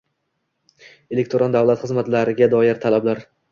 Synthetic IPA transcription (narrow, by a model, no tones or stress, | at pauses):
e̞lekʲt̪ʰɾɒnd̪avlˠat̪χɨzmat̪laɾɪɡʲad̪ɒjɪɾt̪ʰalablaɾ